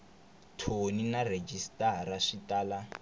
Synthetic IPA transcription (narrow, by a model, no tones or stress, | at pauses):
tʰoninared͡ʒistʼaɾaʂitʼaːla